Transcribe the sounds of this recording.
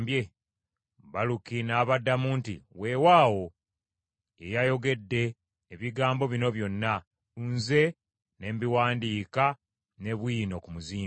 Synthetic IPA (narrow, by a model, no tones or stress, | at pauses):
bje | βalukinaːβadːamuːntḭwe̞ːwaːwo̞ | ejajo̞ɡe̞dːe̞ː | βiɡaːmbo̞βino̞βjo̞nːa | unze̞ | ne̞mbiwaːndiːka | ne̞βwiːno̞kumuziː